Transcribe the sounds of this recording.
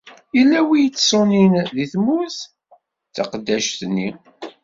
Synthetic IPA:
ilæwijt͡sːsˤoninðiθmuθ | θɑ̰qəd̪ːæʃθnːi

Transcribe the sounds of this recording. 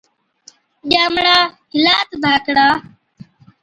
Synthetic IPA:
ʄaːmɽaːɦɪlaːt̪b̪ʱaːkɽaː

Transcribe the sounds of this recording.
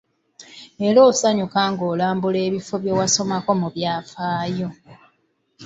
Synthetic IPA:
e̞ɾo̞ːsaɲukaːŋɡo̞ːlaːmbule̞ːβifo̞βjowaso̞mako̞muβjaːfaːjo̞

